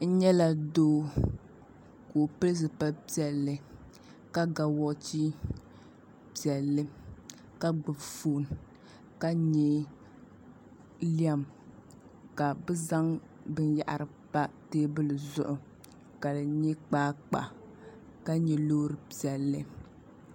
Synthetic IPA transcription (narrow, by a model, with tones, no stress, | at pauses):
n̩˦ɲɛ˦la˨doː˦ | ko˨pɨ˦lɨ˦s̬ɨ˨pa˦pi˦ɛ˨lːɨ˨ | ka˦ɡa˨wɔ˦t͡ʃi˦ | pi˨ɛ˨lːɨ˦ | ka˦ɡ͡bɨ˨bfoː˦˨n˨ | ka˦ɲɛ˦ | li˦a˦m | ka˨bɨ˦za˦ŋ | bɨ˦n˦ja̰˦ʔa̰˨ɾɨ˨pa˦teː˦bɨ˦lɨ˨zʊ˦ʔʊ˨ | ka˨lɨ˨ɲɛ˦k͡paː˦k͡pa̰˨ | ka˦ɲɛ˦loː˦ɾɨ˨pi˨ɛ˨lːɨ˦